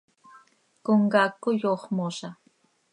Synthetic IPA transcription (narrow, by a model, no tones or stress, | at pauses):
koŋɡakːʊjoχmoʃa